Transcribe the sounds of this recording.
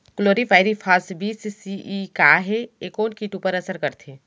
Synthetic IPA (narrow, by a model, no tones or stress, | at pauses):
kloːɾifʰaːɪɾifʰaːsbʱiːsisiikaːɦeeːkoːnkiːʈuːpəɾɐsəɾkɐɾt̪ʰeː